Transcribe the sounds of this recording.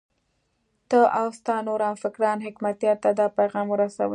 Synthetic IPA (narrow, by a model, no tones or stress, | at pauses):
t̪əʔawst̪ɑnoɾɑnfɪkɾɑnɦɪkmat̪jɑɾt̪ad̪ɑpajɣɑmwəɾasa̰wə